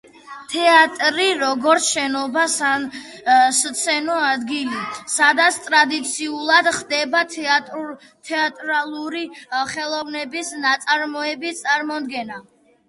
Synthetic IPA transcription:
t̪ʰɛat̪ʼɾiɾɔɡɔɾt̪sʰʃɛnɔbasa | st̪sʰɛnɔad̪ɡilisad̪at̪sʰt̪ʼɾad̪it̪sʰiulˠad̪χd̪ɛba | t̪ʰɛat̪ʼɾalˠuɾiχɛlˠɔvnɛbisnat̪sʼaɾmɔɛbist̪sʼaɾmɔd̪ɡɛna

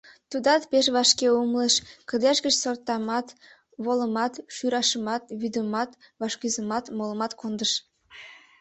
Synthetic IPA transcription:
t̪ud̪ɑt̪peʃβɑʃkeumlˠəʃkə̆d̪eʃɡə̆t͡ɕsort̪ːɑmɑt̪ | βolˠə̆mɑt̪ʃyɾɑʃəmɑt̪βyd̪əmɑt̪vɑʃkʲyzəmɑt̪molˠə̆mɑt̪kond̪əʃ

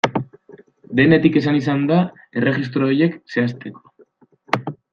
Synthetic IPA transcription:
d̪e̞ne̞t̪ike̞sanisand̪a | e̞re̞ɣis̬t̪ɾo̞ːje̞kse̞ast̪e̞ko̞̥

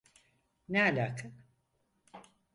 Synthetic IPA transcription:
nɛalʲaːkʰɯn

